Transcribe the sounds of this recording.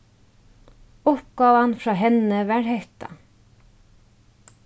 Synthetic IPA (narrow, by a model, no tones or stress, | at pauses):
ʊp̚ɡɔːwanfɾɑːɦɛnəʋæɹhɛht̪a̰